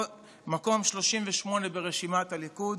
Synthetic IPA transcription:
mako̞mʃlo̞ʃimveʃmo̞nebeʁeʃimat̪alikud̪

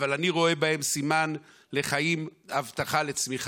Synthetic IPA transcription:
valaniʁo̞e̞bahe̞msiman | le̞χajimavt̪aχalet͡smiχ

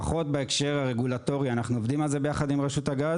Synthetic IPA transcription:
χo̞t̪̚beekʃe̞ʁaʁeɡulat̪o̞ʁianaχnuo̞vd̪imalze̞bejaχad̪imʁeʃut̪haɡaz

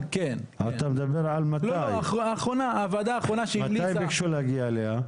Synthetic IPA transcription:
ken | at̪amed̪abeʁʕalmatlajaχʁoːχʁonavad̪aːχʁonaʃeimamliajjbbekʃulehaɡiaeleha

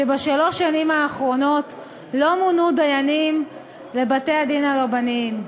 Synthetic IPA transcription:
ebaʃalo̞ʃanimaːχʁo̞no̞t | lo̞munudajanim | le̞bate̞jadinaʁabanim

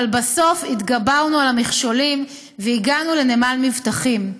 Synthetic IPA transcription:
lbaso̞fit̪ɡabaʁnualamiχʃo̞lim | veiɡanule̞nemalmivt̪aχim

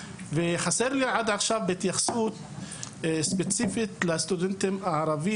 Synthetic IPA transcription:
veχaseʁliʕad̪ʕaχʃavbet̪jaχsut̪ | spet͡sifit̪last̪ud̪ent̪emaʕaɾavi

